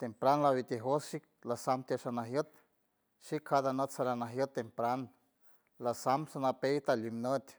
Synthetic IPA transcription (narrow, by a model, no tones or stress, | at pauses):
t̪empɾanlawit̪eɦosʃik̚ | lasamt̪aʃanaɦjət̪̚ | ʃikʰad̪anət̪saɾanaɦjət̪ːempɾan | lasamsanapejt̪alimnət̪ʲ